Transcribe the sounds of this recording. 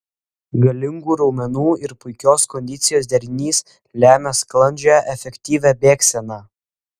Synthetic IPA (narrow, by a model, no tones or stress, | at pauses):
ɡɐlʲɪŋɡuːɾɐʊmʲɛnuːɪɾpʊɪkʲoːskɔnʲd̪ʲɪt̪sʲɪjoːsd̪ʲɛɾʲnʲiːs | lʲæːmʲɛsklˠɐnʲd͡ʒʲæʔɛfʲɛkʲt̪ʲiːʋʲæbʲeːksʲɛnɑː